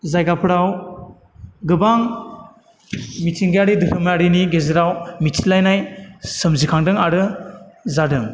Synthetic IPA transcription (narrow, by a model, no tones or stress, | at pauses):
zajɡapʰɯɾaw | ɡɯbaŋ | mitʰiŋɡjaɾidɯɾʰɯmaɾiniɡezɯɾawmitʰilajnajsɯmzikʰaŋdɯŋaɾɯzadɯŋ